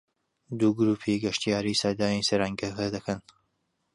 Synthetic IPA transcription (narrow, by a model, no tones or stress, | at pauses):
d̪uːɡɾuːpʰiɡɐʃt̪ijaːɾiːsad̪aːnisɐɾaŋɡɐkʰɐd̪ɐkʰɐn